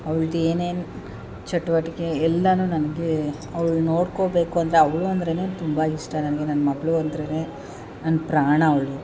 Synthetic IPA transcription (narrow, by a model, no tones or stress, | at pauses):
ɐʋɐɭɡeːneːn | t͡ʃɐʈːuʋɐʈikeɛlːɐnuːnɐnɐɡe | ɐʋɐɭno̞ːɽkobe̞ːkuɐnd̪ɐɾe̞ɐʋɐɭuɐnd̪ɾeneːt̪umbɐiʂʈɐnɐnɐɡenɐnːɐmɐɡɐɭuɐnd̪ɾeːneː | nɐnːɐpɾaːɳɐːʋɐɭu